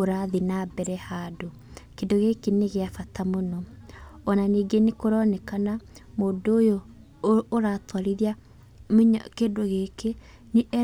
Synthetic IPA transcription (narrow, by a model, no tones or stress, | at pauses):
oɾaðinabɛɾɛhado | kedoɣekeneɣeafatamonɔɔnaniɡenekoɾɔnɛkana | moːdːjoː | ɾaːtwaɾiðia | mɲkedoɣeke | neʔɛ